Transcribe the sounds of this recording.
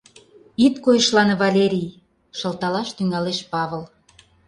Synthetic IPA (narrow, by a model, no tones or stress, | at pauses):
it̪kojə̆ʃlɑnvɑlʲeɾʲij | ʃə̆lt̪ɑlɑʃt̪yŋɑleʃpɑβə̆l